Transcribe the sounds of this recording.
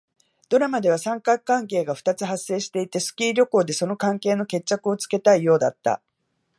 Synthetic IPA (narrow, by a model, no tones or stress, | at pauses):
d̪̥o̞ɾamad̪e̞β̞asãŋkakːãŋke̞ːɡaɸɯ̟̥t̪at͡sɨɦase̞ːɕi̥t̪e̞it̪e̞sɨ̥kʲiːɾʲoko̞ːd̪e̞so̞no̞kãŋke̞ːno̞ke̞t͡ɕːakɯ̟o̞t͡sɨ̥ke̞t̪aijo̞ːd̪a̰t̪ːa̰